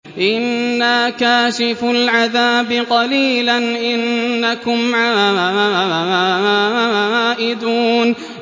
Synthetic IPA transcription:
ʔɪnːaːkaːʃɪfʊlʕaðaːbɪqɑliːlanʔɪnːakʊmʕaa | aaːwaaːʔɪd̪uːn

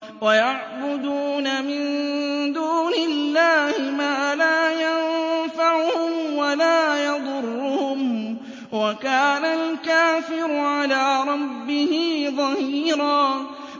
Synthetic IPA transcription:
wajaʕbʊd̪uːnamɪnd̪uːnɪlːaːhɪmaːlaːjanfaʕʊhʊmwalaːjɑd̪ˤʊrˤːʊhʊm | wakaːnalkaːfɪɾʊʕalaːɾˤɑbːɪhɪðˤɑhiːɾɑː

